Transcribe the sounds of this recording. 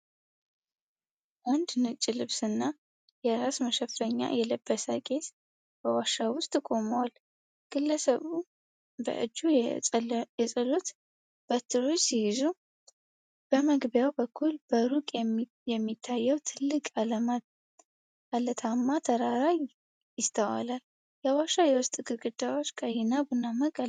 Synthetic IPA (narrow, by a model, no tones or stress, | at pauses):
ʔand̪nɨt͡ʃʼːilɨβsɨnːa | jɛɾasməʃɛfəɲːa̰jɛləbːəsəkʼe̞t̪ | b̥əwaʃawʊst̪ʼkʼo̞məwal | ɡ̥ɨlːəsəβu | bə̰ʔɨ̰d͡ʒːu | jɛsʼəlut̪ | b̥ət̪ʰːɨɾot͡ʃːsijɪzu | b̥əməɡbjawbəkʰːulbəɾukʼɛ | jɛmːit̪ʰːajːəwt̪ʰɨlːɨkʼaləma | alət̪ʰamːat̪ʰəɾaɾaj | jɪst̪ʰəwa̰lal | jɛwaʃːajɛwʊst̪ʼɡɨɾɡɨd̪awot͡ʃːkʼajɪnabɨnːaməkʼa